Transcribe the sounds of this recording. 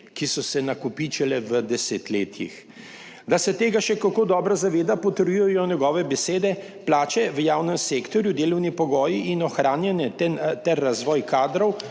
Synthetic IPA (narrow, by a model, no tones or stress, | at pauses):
kisɔsɛnakupiːt͡ʃɛlɛʋəd̪ɛseːt̪leːt̪ʰjḭx | d̪asɛt̪eːɡaʃɛkakoːd̪ɔːbɾazaʋeːd̪apɔt̪əɾjujɔjɔnʲɛɡɔːʋɛbɛseːd̪ɛ | plaːt͡ʃɛʋəjaːwnɛmseːkt̪ɔɾjud̪eːlɔwnipɔɡɔːjiinɔxɾaːnjɛnɛɛt̪ɛɾːazʋɔːjkaːd̪ɾɔw